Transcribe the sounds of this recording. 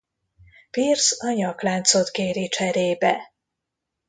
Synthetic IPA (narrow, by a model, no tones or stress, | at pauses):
pirsɒɲɒklaːnt̪so̞t̪ɡeːɾit͡ʃɛɾeːbɛ